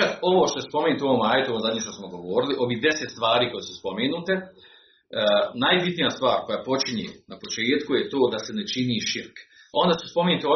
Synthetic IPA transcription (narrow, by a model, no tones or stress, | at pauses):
ako̞ʋoʃt̪o̞jespo̞meːnut̪uoʋomaːjet̪uooːmzad̪ɲiːʃt̪osmoɡoʋoːɾiliʔo̞ʋiːɦd̪e̞set̪st̪ʋaːɾiːko̞jesuspo̞meːnuːt̪e̞ | najbit̪nijast̪ʋaːɾko̞japo̞t͡ʃiɲḛːnapo̞t͡ʃeːt̪kujet̪o̞ːd̪ase̞net͡ʃiniːʃiɾk | o̞nd̪aːsu̥spo̞meːnut̪io